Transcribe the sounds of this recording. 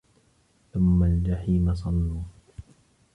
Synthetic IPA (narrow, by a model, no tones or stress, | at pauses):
θʊmːald͡ʒaħiːmas̬ˤɑlːuː